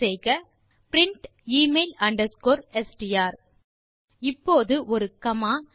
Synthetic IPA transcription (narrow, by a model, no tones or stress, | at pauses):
ɛɪɣɐ | pɪɾɪɳʈ | iːmeɪlɐɳɖɐɾskoːɾɛsʈɪjaːɾ | ɪpːoːðɯʔɔɾɯkɐmaː